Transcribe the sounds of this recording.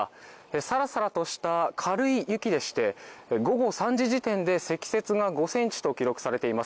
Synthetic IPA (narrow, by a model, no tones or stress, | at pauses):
esaɾasaɾat̪o̞ɕi̥t̪akʰaɾɯ̟ijɯ̟kʲid̪e̞ɕi̥t̪e̞ɡo̞ɡo̞sãɲ̟d͡ʑiʑit̪ẽ̞nd̪e̞se̞kʲi̥se̞t͡sɨɡaɡo̞sẽ̞ɲt͡ɕi̥t̪o̞kʲiɾo̞kɯ̟̥saɾe̞t̪e̞imas